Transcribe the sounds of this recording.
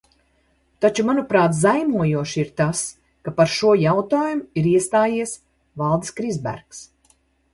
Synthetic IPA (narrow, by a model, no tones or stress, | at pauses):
t̪at͡ʃumanupɾaːt̪zajmuɔjuɔʃiɾt̪as | kapaɾʃuɔjawt̪aːjumuiɾiɛst̪aːjiɛs | valˠd̪i̥skɾizbæ̰ɾks